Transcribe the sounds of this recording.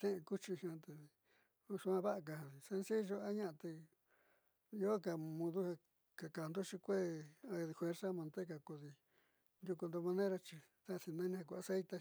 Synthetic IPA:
t̪ẽ˦ẽ˧ku˦t͡ʃi˧hã˧t̪e˨˧ | ũ˦ʂu˧ã˧βa˦ʔa˧k̬a˧ha˨i˨se˧nsi˦ʒo˧a˦ɲã˦a˧t̪e˧ | i˧˦o˦ka˨mũ˧ðu˦ha˧ | ka˨ka˨nd̪o˦t͡ʃi˧kʷe˦˨a˧i˧fwe˧ɾsa˦mã˧nt̪e˦ka˧ko˧ði˧ | nd̪ʲu˧ku˧nd̪o˧mã˧nẽ˦ɾa˧t͡ʃi˧ | t̪a˦˧si˧nã˦nĩ˧ha˧ku˧˨a˧se˦jt̪e˧

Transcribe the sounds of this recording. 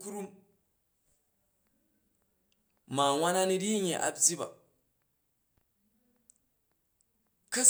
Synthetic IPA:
ku˦ɾu˦m | ma˨ŋʷa˦na˦ni˦ɾi˦ɲe˨ʔa̰˨bd͡zi˦ba̰˨ | kɐ˦

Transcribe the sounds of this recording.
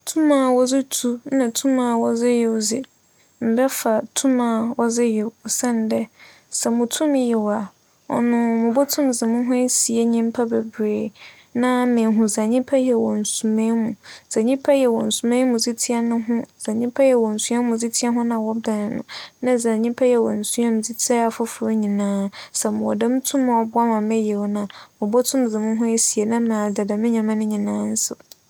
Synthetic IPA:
tʰũ˦mã˨wɔ˦zɪ˦tʰu˦nã˨tʰũ˦mãː˨wɔ˨zɪ˦jɛ˨wzɪ˨ | m̩˨bɛ˦fa˨tʰu˦mã˨wɔ˦zɪ˦jɛ˨sɛ̃˦n˨dɛ˦ | sɛ˨mʊ̃˨tʰũ˦mjɛ˨wa˨ | ɔ̰˨nʊ̃˨mʊ̃˨bɔ˦tʰʊ̃˦mzɪ˨mʊ̃˦ɦʊ̃˦si˨e˦ɲĩ˦m˦pʰa˦bɛ˨bɾeː˨ | nã˦mɪ̃˨ɦʊ̃˨zã˨ɲĩ˦pʰa˦jɛ˨wɔ˨n̩˨su˨mẽ˦mũ˨z̥a˨ɲĩ˦pʰa˦jɛ˨wɔ̃˨n̩˨su˨mẽ˦mũ˨d͡zi˦tʰi˦a˦nʊ̃˦ɦʊ̃˦zã˨ɲĩ˦pʰa˦jɛ˨wɔ˨n̩˨su˦ã˦mũ˨zi˦tʰi˦a˦ɦʊ̃˦nã˨wɔ˦da˨nɪ̃˨nʊ̰̃˨nã˦zã˨ɲĩ˦pʰa˦jɛ˨wɔ̃˨n̩˨su˦a˦mũ˨zi˦tʰi˦a˦a˨fʊ˦fʊ˨ɾo˦ɲĩ˨nãː˦sɛ˨mʊ̃˨wɔ˨dɛ̃˦m˦tʰʊ̃˦mã˨ɔ˨bʊ˦a˦mã˨mɛ˦jɛ˨wnã˨mʊ̃˨bɔ˦tʰʊ̃˦mzɪ˨mʊ̃˦ɦʊ̃˦e˦si˨e˨nã˦mãː˨da˨da˨mɪ̃˦ɲã˨mã˦nʊ̃˦ɲĩ˨nãː˨˦n̩˦sʊ˨

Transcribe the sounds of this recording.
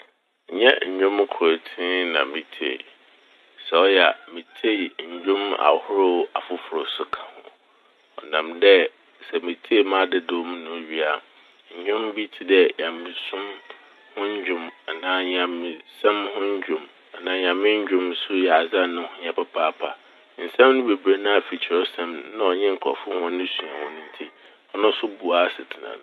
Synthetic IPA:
ɲɛ̰˦ɲ̩˨ɲᶣʊ̃˦m˦kʰʊ˨ɾo˨tʰĩ˦nã̰˨mĩ˨tʰḛ˨ | sɛ˨ɔ˦jɛ˨a˨mĩ˨tʰe˦˨ɲ̩˨d͡ʑᶣʊ̃˦ma̰˨hʊ˦ɾʊ˦a˨fʊ˦fʊ˨ɾʊ˨sʊ˦kʰã˨hʊ̃˨ | ɔ˨nã˨mdɛ˦ | sɛ˨mĩ˨tʰe˦˨mã˦˨dɪ˦˨do˦m̃˦nʊ̃˨ɥi˦a˨ | ɲ̩˨ɲᶣʊ̃˦mbi˦tʰi˦dɛ˦ɲã˨mːĩ˨sʊ̃˦m | hʊ̃˦ɲ˦d͡ʑᶣʊ̃˨ma˨nãː˦ɲ˨ã˨mːɪ̃˨sɛ̃˦mhʊ̃˦ɲ˦d͡ʑᶣʊ̃˨m | a˨nãː˦ɲ˨ã˨mɪ̃˦ɲ˦d͡ʑᶣʊ̃˦msʊ˦jɛ˨a˨za˦˨nʊ̃˦hʊ̃˦ɲã˨pʰɛ˦pʰaː˦pʰa˨ | n̩˨sɛ̃˦m˦nʊ̃˦be˨bɾe˦nã˦a˨fi˨t͡ɕʰɪ˨ɾɔ˦sɛ̃˦mn˨nã˦ɔ˨ɲɪ̃˦ŋ̩˨kʰɔ̰˨fʊ˦hʊ̃˦nɪ̃˦sũ˨ã˨hʊ̃˦nʊ̃˦n̩˦tʰi˦ | ɔ˦nʊ̃˦sʊ˦bu˨a˦sɪ˨tʰɪ˨nã̰˨ñ˨

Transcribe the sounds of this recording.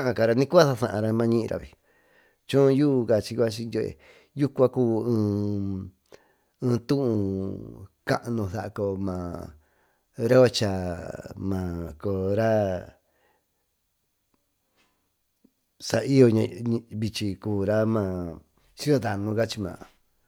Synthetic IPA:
ã˦ʔã˧ka˧ɾa˧nĩ˦ku˦a˦sa˧sã˧˨ʔã˧ɾa˧mã˧ɲĩ˦ʔĩ˧ɾʔa̰˧βḭ˨ | t͡ʃũ˦˧˦juː˦˧ka˧t͡ʃi˧kʷa˦t͡ʃi˧jo˧ḛ˨ | ju˦kʷã˦kuː˦ɨ̃ː˧ | ɨ̃ː˧t̪ũ˦ʔũ˧ | kã̰˦ʔnũ˧θa˧˨a˧ko˧˨mã˨ | ɾe˦o˦t͡ʃa˧mã˨ko˨ɾa˦ | sa˧i˦jo˧ɲã˧ɲ˧βi˧t͡ʃi˧kuː˨ɾa˦mã˧˨ | t͡ʃi˦o˧d̪a˨nũ˧ka˦t͡ʃi˧mã̰ː˨

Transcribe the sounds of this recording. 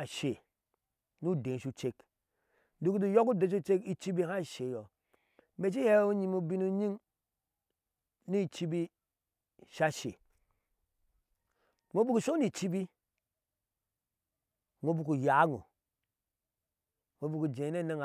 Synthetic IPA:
ʃe˨ | nu˦˨de˨ʃu˦t͡ʃe˦k | du˦ku˦du˦jo˦ku˦de˨˦u˦t͡ʃe˦ki˦t͡ʃi˦bi˦ha˦˨ʃe˨jo˨ | me˨t͡ʃi˦he˦u˦ɲi˦mu˦bi˦nu˦ɲi˦ŋ | ni˦˨t͡ʃi˦bi˦ | ʃa˦ʃḛ˨ | ŋo˦bu˦ku˨ʃo˦ni˨t͡ʃi˦bi˦ | ŋo˨bu˨ku˨ja˨˦ŋo̰˨ | ŋo˨bu˨ku˨d͡ʒe˨˦ne˦ne˦ŋ˨

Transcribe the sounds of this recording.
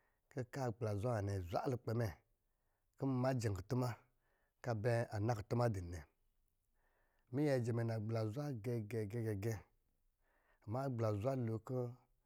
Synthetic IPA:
ki˦ka˦˨ɡ͡bla˨zʷa˦˨ne˨zʷa̰˦lu˧k͡pe˨mɛ˨ | ki˦m˦ma˦d͡ʒe˨ŋ˨ku˨tu˦ma˦ | ka˦bɛ˦a˨na˦ku˨tu˦ma˦di˨nɛ˨ | mi˦jɛ˧˨d͡ʒe˨me˨na˨ɡ͡bla˨zʷa˦ɡe˧ɡe˧˨ɡe˦ɡe˧˨ɡe˦˨ | ma˦ɡ͡bla˨zʷa˦lo˨kə˦

